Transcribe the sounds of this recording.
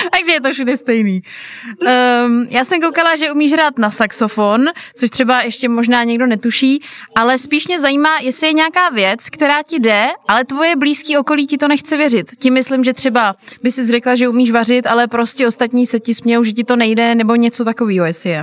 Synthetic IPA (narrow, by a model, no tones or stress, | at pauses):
t̪aɡʒɛjɛt̪ofʃudɛst̪ɛjniː | jaːsɛmk̬owkalaʒɛumiːʃɦɾaːt̪nasakso̞fo̞ntt͡soʃt̪r̥ɛbajʔɛʃcɛmoʒnaːɲɛɡdo̞nɛt̪uʃiːʔalɛspiːʃmɲɛzajiːmaːjɛsɪjɛɲɛakaːvjɛt͡skt̪ɛɾaːcɪdɛʔalɛt̪vo̞jɛbliːskiːo̞ko̞liːcɪt̪o̞nɛxt͡sɛvjɛrɪt̪cɪmɪslɪmʒɛt̪r̥ɛbabɪsɪzrɛklaʒɛumiːʃvar̝ɪt̪alɛpɾo̞scɛo̞st̪at̪ɲiːsɛcɪspɲɛjowʒɛcɪt̪o̞nɛjdɛnɛbo̞ɲɛt͡so̞t̪ako̞viːɦojɛsɪjɛ